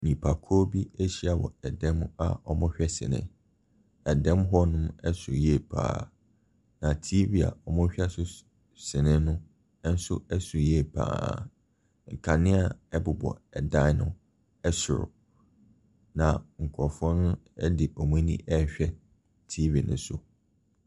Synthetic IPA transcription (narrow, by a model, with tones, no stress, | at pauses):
nĩ˨pʰa˨kʰo˦bi˦e˦ɕi˦a˨wɔ̰˨ɛ˨dɛ̃˦ma̰˨ɔ˨mʊ̃˦ɕᶣɛ˦sɪ̰˨nɪ̰̃˦ | ɛ˨dɛ̃˦mɦɔ˦nʊ̃˦mɛ˦sʊ˨ɾjɛ˦˨pʰa̰ː˨ | nã˨tʰi˦vi˨a̰˨ɔ˨mʊ̃˦ɕᶣɛ˦sʊ˦ | sɪ̃˨nɪ̃˦nʊ̃˦ | n̩˦sʊ˦ɛ˦sʊ˨ɾjɛ˦˨pʰa̰ː˨ | ŋ̩˨kʰã˨nɪ̃˦a˦ɛ˦bʊ˨bɔ̰˨ɛ˨dã˦nʊ̃˦ | ɛ˦sʊ̰˨ɾʊ̰˨ | nã˨ŋ̩˨kʰɔ˨fɔ̃˦nʊ̃˦ɛ˦dɪ˨ɔ˨mũ˦nĩ˦ʔɛ˦ɕᶣɛ˦ | tʰi˦vi˨nʊ̰̃˦sʊ̰˨